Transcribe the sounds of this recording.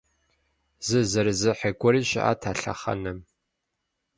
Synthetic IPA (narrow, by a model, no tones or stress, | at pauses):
zɨzɐɾɨzɨħeɡʷʼɔɾiːʃɪ̰ʔa̰tʰaːɬɐ̰χɐ̰nɨm